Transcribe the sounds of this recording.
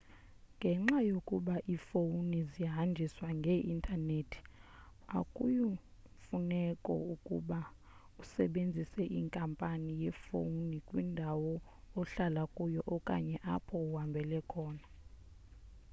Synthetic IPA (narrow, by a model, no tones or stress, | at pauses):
ŋɡʱɛŋ͡ǁajokʼuɓaʔifounizijaɦand͡ʒʱiswaŋɡʱeʔintʰʼanetʰi̥ | a̰kʼuju | funɛkʼɔ̰ukʼṵɓa | usɛɓend͡zʱisɛʔiŋkʼampʼanijɛfo̰nikʼwindʱawɔ | ɔɬalakʼujɔʔɔkʼa̰ɲɛʔapʰɔuɦambʱɛlɛkʰɔːna